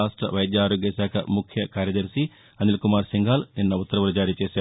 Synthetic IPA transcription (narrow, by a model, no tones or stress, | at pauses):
aːsʈɾɐ̰ʋɐjɐd̪jaːɾoːɡjɐsaːkʰɐ̰mukʰjɐkaːɾjɐd̪ɐɾsi | ɐnilkumaːɾsiŋɡʱaːlninːɐut̪ːɐɾɐʋɐlɐd͡ʒaːɾiːt͡ʃeːsaː